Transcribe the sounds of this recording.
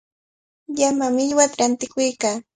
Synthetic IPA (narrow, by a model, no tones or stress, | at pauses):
ʎamamɪʎwat̪ɾant̪ɪkʊjkaː